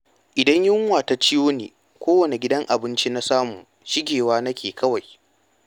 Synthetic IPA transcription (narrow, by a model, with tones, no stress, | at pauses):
ʔɪ˨dɐ˦ɲjɪ˦ŋ˦waː˨ta˨t͡ʃɪ˦joː˦nḛː˨ | kʷoː˦wɐ˨ne˨ɡʲɪ˦dɐ˦ŋʔa˨bɪ˦nt͡ʃi˦na˦saː˦muː˨ | ʃɪ˦ɡʲeː˨waː˦nɐ˦kʲʰeː˨kʰɐ˦wa˨j